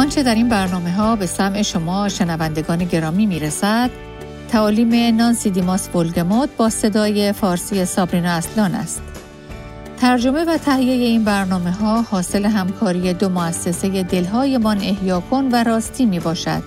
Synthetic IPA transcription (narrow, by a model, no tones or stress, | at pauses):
ʔɒːnt͡ʃʰe̞d̪æɾinbæɾnɒːme̞ɦɒːbe̞sæmʔe̞ʃo̞mɒːʃenævænd̪e̞ɡɒːne̞ɟe̞ɾɒːmiːmiːɾesæd̪̥ | t̪ʰːæɒːliːme̞nɒːnsid̪imɒsbolɡemɒd̪̚bɒːse̞d̪ɒːje̞fɒːɾsiːje̞sɒbɾiːnɒæslɒːnæ̰st̪ | t̪ʰæɾd͡ʒo̞me̞væt̪ʰæhijeje̞iːnbæɾnɒːme̞ɦɒːhɒːse̞le̞ɦæmkʰɒːɾije̞d̪omoæsːe̞se̞je̞d̪e̞lɦɒːje̞mɒːne̞hjɒːkʰo̞nvæɾɒːst̪ʰiːmiːbɒːʃæ̰d̪̥̚